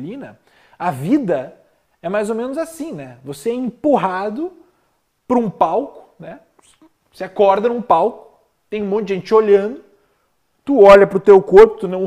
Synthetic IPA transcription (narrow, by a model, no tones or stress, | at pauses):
ĩnɐ | ɐvid̪ɐ | ɛmajzomẽnʊzasĩnɛvoseɛĩmpuɦad̪ʊ | pɾʊũpawkʊ̥nɛ | seakɔɾd̪ɐnũpawkʊ̥ | t̪ẽj̃ũmõt̪ʊd͡ʒɪʒẽt͡ʃɪoʎɐ̃nd̪ʊ | t̪uɔʎɐpɾʊt̪ewkoɾpʊt̪unɐ̃w̃